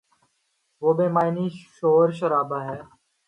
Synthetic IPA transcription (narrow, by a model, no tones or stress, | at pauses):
ʋoːbẽːmaːɪniːʃoːɾʃəɾaːbaːɦɛː